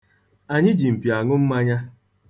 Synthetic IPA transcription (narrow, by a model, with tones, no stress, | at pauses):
a˨ɲɪ˦d͡ʒi˨m̩˨pja˨ŋʊ˦m̩˦ma˦ɲa˦